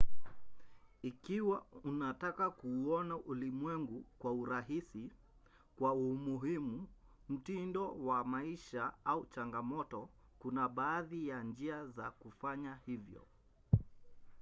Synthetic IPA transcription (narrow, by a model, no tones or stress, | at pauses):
ikiwaunatakakuːɔnaʔulimwɛŋɡukwauɾaɦisi | kwaumuɦimu | m̩tindɔwamaiʃaaut͡ʃaŋɡamɔtɔ | kunaɓaːðijand͡ʒiazakufaɲahivjɔ̰